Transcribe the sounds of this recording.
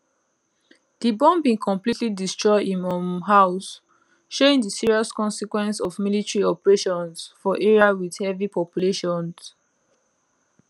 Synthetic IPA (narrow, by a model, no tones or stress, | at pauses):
dibɔ̃mbĩnkʰɔ̃mplitlidistɹɔɪdĩnɔmɦaʊs | ʃoĩŋdəsiɹiɔskɔ̃nsikwɛ̃nsɔvmilitɹiɔpəɹeʃɔ̃nsfɔʔɛɹiawid̥hɛvipɔpjuleʃɔ̃ns